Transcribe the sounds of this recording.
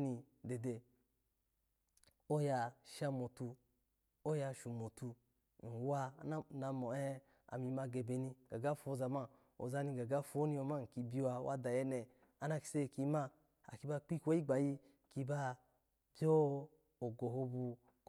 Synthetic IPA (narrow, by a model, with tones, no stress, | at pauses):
ni˧ | de˨de˨ | o˦ja˧ʃa˧mo˨tu˧ | o˦ja˧ʃu˨mo˨tu˧˨ | n̩˨wa˧˦n˦na˧mɔ˨ɛ˦ | a̰˨mi˧˦ma˧ɡe˨be˨ni˧ɡa˨ɡa˦fo˧˦za˨ma˦ | o̰˨za˧ni˧ɡa˨ɡa˦fo˦ni˧˦o˧ma˦˨ŋ̩˨ki˧bi˦u˦a˧wʔa̰˦da˨jɛ˦nɛ˨ | a˦na˧ki̥˧se˦˨ki˧˦ma˧ | a̰˨ki˧ba˧k͡pi˦kʷo˦i˦ɡ͡ba˨ji˧ | ki˧ba˧ | bjo˦ | o˨ɡo˨ɦo˧bu˧ | k